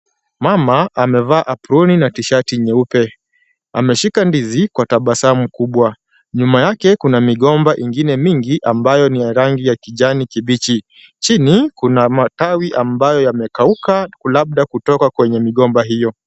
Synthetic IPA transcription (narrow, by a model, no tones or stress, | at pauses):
mamaamɛvaːʔapuɾuninatiʃatiɲɛupɛ | a̰mɛʃikandizikwataɓasam̩kuɓwa | ɲumajakɛkunamiɠɔmbaʔiŋɡinɛmiŋɡiʔambajɔnijaɾaŋɡijakiʄanikiɓit͡ʃi | t͡ʃinikunamatawiʔambajɔjamɛkaukakulaɓ̚ɗakutɔkakwɛɲɛmiɠɔmbaɦijɔ